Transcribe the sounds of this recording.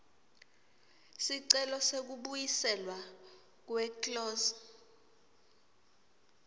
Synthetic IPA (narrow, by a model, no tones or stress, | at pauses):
siǀɛlɔsek̬uɓujisɛlwa | k̬wɛklɔːsɔ̥